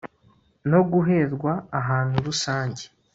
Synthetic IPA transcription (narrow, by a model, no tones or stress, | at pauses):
no̞ɡuɦe̞ːɾɡwaːɦaːnhuɾusaːɲɟe